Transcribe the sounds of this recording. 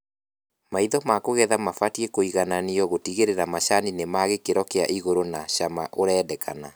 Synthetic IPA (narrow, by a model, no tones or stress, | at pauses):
maiðɔmakoɣɛðamafatiekoiɣananiɔɣotiɣeɾeɾamaɕaninemaɣekeɾɔkea̰ʔiɣoɾonaɕamaʔoɾɛːdɛkʰana